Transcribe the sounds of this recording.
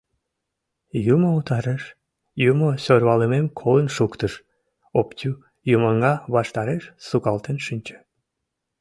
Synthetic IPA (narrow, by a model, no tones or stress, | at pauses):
jumout̪ɑɾəʃ | jumosørβɑləmemkʰolənʃukt̪əʃ | opt͡ɕu | juməŋɡɑβɑʃt̪ɑɾeʃsukɑlt̪enʃynʲt͡ɕe̥